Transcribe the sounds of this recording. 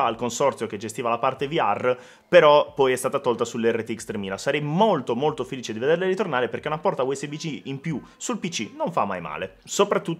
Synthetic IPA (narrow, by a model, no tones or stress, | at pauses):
aːlkonsɔrt̪sjok̟ed͡ʒest̪iːvalapart̪eviarː | peɾɔpɔjɛst̪aːt̪at̪ɔlt̪asulːeɛrːet̪ikst̪ɾemiːnasaɾɛjmolt̪omolt̪ofeliːt͡ʃed̪ived̪erleɾit̪ornaːɾeperk̟enapːɔrt̪auɛsːebit͡ʃiimpju | sulpit͡ʃinoɱfa̰mːa̰jma̰ːle | sopɾat̪ːutː